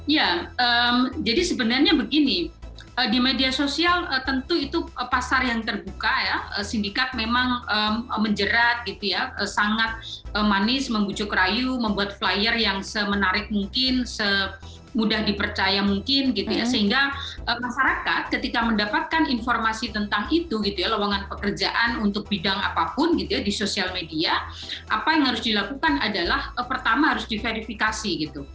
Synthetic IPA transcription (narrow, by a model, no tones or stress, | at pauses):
jaəmd͡ʒadisəbənarɲabəɡini | ədimediasosialət̪ənt̪uit̪uəpasarjaŋt̪ərbukajaə̰sindikat̪̚memaŋəməməɲd͡ʒəɾat̪̚ɡit̪ujaəsaŋat̪̚əmanɪsməmbut͡ʃʊkrajuməmbuat̪̚flajərjaŋsəmənaɾɪk̚muŋkɪnsə | mudahdipərt͡ʃajamuŋkɪnɡit̪ujasəɦiŋɡaʔəmaʃaɾakat̪̚kət̪ikaməndapat̪̚kaninformasit̪ənt̪aŋit̪uɡit̪ujalawaŋanpəkərd͡ʒaʔanunt̪ʊk̚bidaŋa̰papʊnɡit̪ujadisosialmedia | ʔapajaŋhaɾʊsdilakukanadalahəpərt̪amaɦaɾʊsdifeɾifikasiɡit̪u